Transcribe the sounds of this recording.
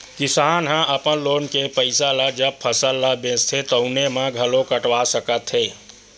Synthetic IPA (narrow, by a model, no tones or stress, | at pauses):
kɪsaːnɦãʔəpənloːnkepəɪsalad͡ʒəb̚pʰəsəlːabẽːst̪ʰet̪əʊnemãɡʱəlõkəʈwasəkət̪ɦeː